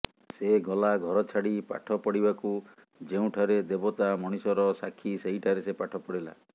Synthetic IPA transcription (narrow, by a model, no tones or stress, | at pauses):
seɡɔlaɡʱɔɾɔt͡ʃʰaɽipa̰ʈʰɔpɔɽibaku | d͡ʒeũʈʰaɾed̪ebɔt̪amɔɽ̃isɔɾɔsakʰːiseɦiʈʰaɾesepaʈʰɔpɔɽila̰